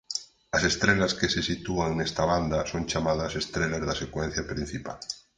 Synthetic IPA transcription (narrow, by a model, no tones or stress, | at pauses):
ase̞st̪ɾelaskesesit̪uaŋnest̪aβand̪asonʲt͡ʃamaðasest̪ɾelazðasekwẽn̟θjapɾĩn̟θipa̰l